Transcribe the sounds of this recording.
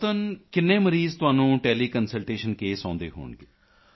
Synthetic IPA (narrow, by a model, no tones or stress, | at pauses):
t̪ənkɪnːẽːməɾiːzt̪ʊaːnũːʈɛːliːkənsəlʈeːʃənkeːsɔ̃ːnd̪ḛːɦo̰ːɳɡeː